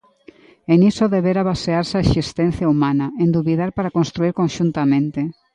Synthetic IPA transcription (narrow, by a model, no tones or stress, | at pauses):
enisoðeβeɾaβaseaɾsaesist̪ɛn̟θjaumanɐend̪uβiðaɾpaɾakonst̪ɾuiɾkõnʃunt̪amẽnt̪e